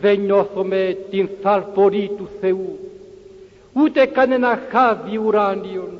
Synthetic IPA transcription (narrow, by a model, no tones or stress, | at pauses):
ðeɲoθomet̪inθaɾpoɾit̪useu | ut̪ekanenãxaðiuɾandio